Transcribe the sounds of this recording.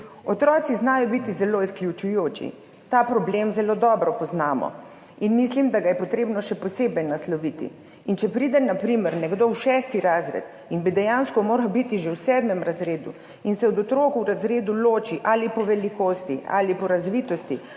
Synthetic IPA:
ɔt̪ɾɔːt̪siznaːjɔbit̪izɛloːisklʲjut͡ʃujoːt͡ʃḭ | t̪apɾɔblemzɛloːd̪ɔːbɾɔpɔznaːmɔ̰ | inmislimd̪aɡajɛpɔt̪ɾeːbnɔʃɛpɔseːbɛjnaslɔʋiːt̪ḭ | int͡ʃɛpɾiːd̪ɛnapɾiməɾnɛɡd̪owʃɛːst̪iɾaːzɾɛ̰t̪ | inbid̪ɛjanskɔmoːɾawbit̪iʒewsɛːd̪mɛmɾazɾeːd̪ṵ | insɛɔd̪ɔt̪ɾoːkuwɾazɾeːd̪uloːt͡ʃiʔalipɔʋɛlikoːst̪ia̰lipɔɾazʋiːt̪ɔst̪i

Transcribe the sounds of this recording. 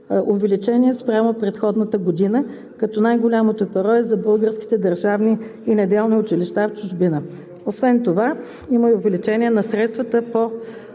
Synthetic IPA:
ovɛlit͡ʃɛniɛspɾʲjamopɾɛt̪xɔd̪nət̪əɡod̪inə | kɐt̪ɔnajɡolʲamot̪oɛpɐɾɔɛzɐbɤlˠɡəɾsk̟i̥t̪ɛd̪əɾʒavniːnɛd̪ɛlˠniʊt͡ʃiliʃt̪aft͡ʃʊʒbinə | osvɛnt̪ova | iməiʊvɛlit͡ʃɛnʲiɛnɐsɾɛt̪st̪vət̪əpo

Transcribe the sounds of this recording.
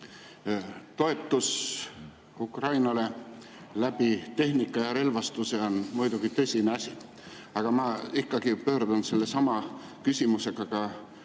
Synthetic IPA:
t̪o̞e̞t̪ːus | ukrɑjnɑle̞ | læb̥it̪e̞ɦnikːˑɑjɑɾe̞lvɑst̪use̞o̞nmujd̪uɡ̥it̪ɤ̞sʲineɑsʲi | ɑɡ̥ɑmɑikːɑɡipø̞ːɾd̪unse̞lːe̞sɑmɑkysʲimuse̞ɡ̥ɑɡ̥ɑ

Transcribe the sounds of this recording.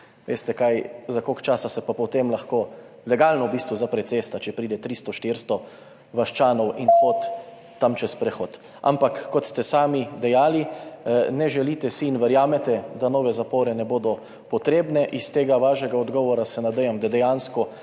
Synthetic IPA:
ʋḛːst̪ɛkajzakokt͡ʃaːsasɛpapɔt̪emlaxkoː | lɛɡaːlnɔwbiːst̪ʋuzapɾɛt̪seːst̪at͡ʃɛpɾiːd̪ɛt̪ɾiːst̪ɔʃt̪iɾst̪ɔ | ʋaʃt͡ʃaːnɔwinxot̪ː | amt͡ʃɛspɾɛxoːt̪ | a̰mpakːɔt̪st̪ɛsaːmid̪ɛjaːli | nɛʒɛlit̪ɛsiːnʋɛɾjaːmɛt̪ɛd̪anɔːʋɛzapoːɾɛnɛboːd̪ɔ | pɔt̪ɾeːbnɛʔist̪eːɡaʋaːʃɛɡaɔd̪ɡɔːʋɔɾasɛnad̪ɛjamd̪ad̪ɛjanskɔ

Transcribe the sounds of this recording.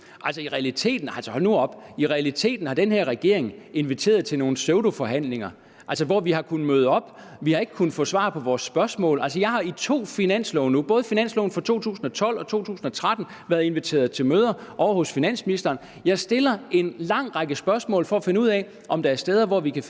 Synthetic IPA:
ʔælsəiʁɛælit͡sʰe̝̰ːd̥n̩ɑlsəɒnuɒ̽b̥iʁɛælit͡sʰe̝̰ːd̥n̩hɑ̈d̥enheɐ̰ʁɛɡ̥e̝̰ɐ̰e̝ŋe̝nʋit͡sʰe̝̰ːɐð̞̩ˠt͡sʰe̝lno̝ːn̩søʊɾ̥o̝fɒ̽ɦæn̰le̝ŋɐ | ælsəʋɒʋiɦɑ̈kʰun̩møːð̞ˠɒ̽b̥ | ʋihɑ̈e̝ɡ̥əkʰun̩fɔːsʋɑ̰̈pʰɒ̽ʋɒːsːb̥ɶɐsmɔ̰̽ːlælsəjɑ̈ɪɦɑ̈it͡sʰo̝̰ːfinæn̰slɔʊnub̥ɔ̽ːð̞ˠfinæn̰slɔʊn̩fɒt͡sʰo̝̰ːt͡sʰṵːsn̩ɒ̽t͡sʰɒ̽l̰ɒ̽t͡sʰo̝̰ːt͡sʰṵːsn̩ɒ̽t͡sʰʁad̥n̩ | ʋæɐð̩ˠe̝nʋit͡sʰe̝̰ːɐðˠt͡sʰe̝lmøːð̞ˠɐʔɒʊɐhɔ̽sfinæn̰sminisd̥ɐːn | jɑ̈ɪsd̥e̝lɐe̝nlɑ̈ŋ̰ʁɑ̈ɡ̥əsb̥ɶɐsmɔ̰ːlfɒ̽æfe̝nəuð̰ˠɛ | ʔɒ̽md̥ɑæɐsd̥eːð̞ˠɐʋɒʋikʰæ

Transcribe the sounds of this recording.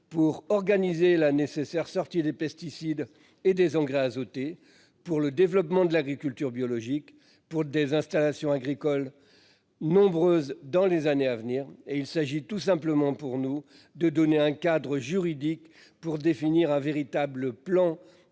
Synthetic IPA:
puʁɔʁɡanizelanesesɛʁsɔʁt̪id̪epɛst̪isid̪ | ed̪ezɑ̃ɡʁeazot̪e | puʁləd̪evlɔpmɑ̃d̪əlaɡʁikʲylt̪yʁbjɔlɔʒik | puʁd̪ezɛ̃st̪alasjɔ̃aɡʁikɔl | nɔ̃bʁøzd̪ɑ̃lezaneavniːʁeilsaʒit̪us̬ɛ̃pləmɑ̃puʁnu | d̪əd̪ɔneɛ̃kad̪ʁəʒyʁid̪ik | puʁd̪efiniʁɛ̃veʁit̪abləplɑ̃

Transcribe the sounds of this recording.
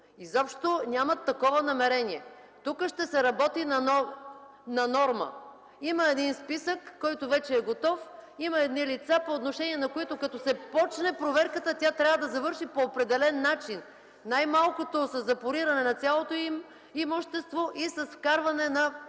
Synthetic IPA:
izɔpʃt̪onʲamɐt̪ːɐkɔvɐnɐmɛɾɛnʲiɛ | t̪ukəʃt̪ɛsɛɾɐbɔt̪inɐnɔ | nɐnɔɾmə̰ | iməɛd̪inspisəkːɔjt̪ovɛt͡ʃɛːɡot̪ɔfiməɛd̪nilit̪sapoːt̪noʃɛniɛnɐkoit̪ʊkɐt̪ɔsɛpɔt͡ʃnɛpɾovɛɾkət̪ət̪ʲat̪ɾʲavəd̪ɐzɐvɤɾʃipoːpɾɛd̪ɛlɛnːat͡ʃin | najmalˠkot̪osɐzːɐpoɾiɾɐnɛnɐt̪sʲjalˠot̪oim | imoʃt̪ɛst̪voʔisɐsfkaɾvɐnɛnɐ

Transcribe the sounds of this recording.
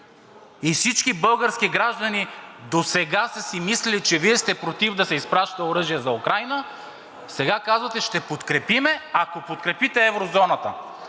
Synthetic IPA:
ifsit͡ʃkibɤlˠɡəɾsk̟iɡɾaʒd̪ɐnid̪osɛɡasɐsimislɛlit͡ʃɛviɛst̪ɛpɾot̪ivd̪ɐsɛispɾaʃt̪ɛoɾɤʒijəzɐukɾajnə | sɛɡakazvɐt̪ɛʃt̪ɛpot̪kɾɛpimɛakopot̪kɾɛpit̪ɛɛvɾozɔnət̪ə

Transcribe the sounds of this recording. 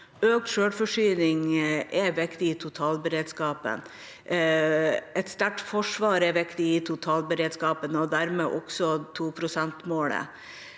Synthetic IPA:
øːk̚t̪ʃøːɽfɔʂyːnɪŋʔɛʋɪkt̪ɪɪːt̪ʰʊt̪ʰɑːlbəɾeːd̪skɑːpə̰n | ɛt̪st̪æʈfɔʂʋɑːɾɛʋɪkt̪ɪiːt̪ʰʊt̪ʰɑːlbəɾeːd̪skɑːpənɔd̪æɾmeːʔɔksɔt̪ʰuːpʰɾʊsɛnt̪moːlə̰

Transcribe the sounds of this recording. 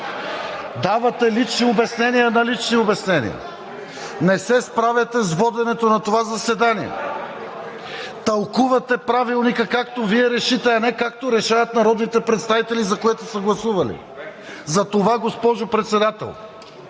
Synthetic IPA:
d̪avɐt̪ɛlit͡ʃniobɛsnɛnijənɐlit͡ʃniobɛsnɛnḭə̰ | nɛsɛspɾavɛt̪ɛzvɔd̪ɛnɛt̪onɐt̪ovazɐsɛd̪aniɛ̰ | t̪ɐlˠkuvɐt̪ɛpɾavilˠnikəkakt̪oviɛɾɛʃit̪ɛɐnɛkakt̪oɾɛʃavɐt̪nɐɾɔd̪nit̪ɛpɾɛt̪st̪avit̪ɛlizɐkoɛt̪osəɡlˠɐsuvɐlḭ | zɐt̪ovaɡospɔʒopɾɛt̪sɛd̪at̪ɛ̰lˠ

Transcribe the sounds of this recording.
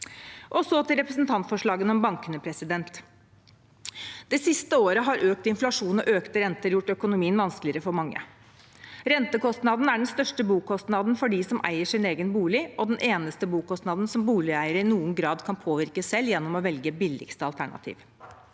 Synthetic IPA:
ʔɔsɔt̪ʰɪlɾɛpɾəsnt̪ʰɑnt̪fɔʂɭɑːɡənɔmbɑŋkənəpʰɾɛsɪd̪ɛnt̪ | d̪̥ɛsɪst̪əoːɾəɦɑɾʔøːk̚t̪ɪnflɑʂuːnɔʔøːkt̪əɾɛnt̪əɾjʊʈːœkʊnʊmiːənʋɑnsklɪəɾəfɔɾmɑŋːə̰ | ɾɛnt̪əkɔst̪nɑd̪n̩æɖɛnst̪œʂʈəbuːkɔst̪nɑd̪n̩fɔɖisɔmʔæ̰ɪəʂɪneːɡənbuːlɪʔɔd̪ɛnʔeːnəst̪əbuːkɔst̪nɑd̪n̩sɔmbuːlɪæɪəɾəɪnuːənɡɾɑːd̪kʰɑnpʰoːʋɪɾkəsɛljɛnːɔmɔʋɛlɡəbɪlːɪ̰kst̪əɑlt̪ʰæɳɑ̰t̪ʰḭːʋ

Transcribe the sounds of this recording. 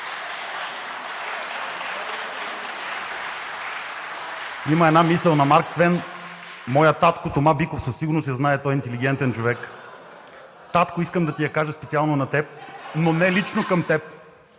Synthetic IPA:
iməɛd̪namisəlˠnɐmaɾkt̪vɛn | mɔjət̪at̪kot̪omabikofsəsːiɡʊɾnosjɐznaɛt̪ɔjint̪ɛliɡ̟ɛnt̪ɛnt͡ʃovɛk | t̪at̪koʊiskəmd̪ɐt̪ijɐkaʒəspɛt̪sialˠnonɐt̪ɛp̚nonɛlit͡ʃnokɐmt̪ɛp̚

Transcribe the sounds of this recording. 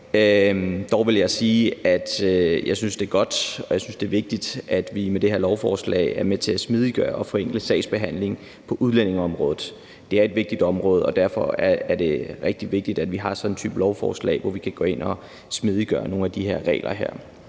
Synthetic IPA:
ød̥ɒʊʋe̝ljɑ̈ɪsiːæd̥jɑ̈ɪsynsd̥e̝ɐɡ̥ɒ̽d̥ɒ̽jɑ̈ɪsynsd̥e̝ːɐʋe̝ɡ̥̚d̥id̥æd̥ʋimed̥e̝he̝ɐ̰lɒʊfɒːslɛ̰ɪæɐmet͡sʰe̝æsmið̞ˠiɡ̥ɶːɐɒ̽fɒ̽eŋɡ̥ləsɛ̰ɪsb̥e̝ɦæn̰le̝ŋ | pʰɒ̽ʔuð̞ˠlen̰e̝ŋɒ̽mʁɔ̽ːð̩ˠ | d̥e̝æɐe̝d̥ʋe̝ɡ̥̚d̥id̥ɒ̽mʁɔ̽ːð̞̩ˠɒ̽d̥æɐ̰fɒ̽æɐæɐd̥e̝ʁɛɡ̥̚d̥iʋe̝ɡ̥̚d̥id̥æd̥ʋiɦɑ̈sɒ̽d̥n̩t͡sʰy̰ːb̥lɒʊfɒ̰ːslɛ̰ɪʋɒʋikʰæɡ̥o̰e̝n̰ɒ̽ | smið̞ˠiɡ̥ɶ̰ːɐno̝ːn̩æd̥iɦe̝ɐ̰ʁɛ̰ːlʔɐɦḛɐ̰

